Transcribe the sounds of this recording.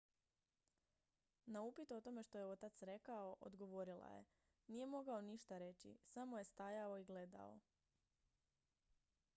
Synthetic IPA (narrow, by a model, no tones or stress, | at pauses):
naupit̪ot̪o̞me̞ʃt̪o̞je̞o̞t̪at̪sɾe̞kao̞ʔo̰d̪ɡo̞ʋo̞ɾilˠa̰je̞̰ | nije̞mo̞ɡaoniʃt̪aɾe̞t͡ɕḭsamo̞je̞st̪ajao̞iɡle̞d̪a̰o̞̰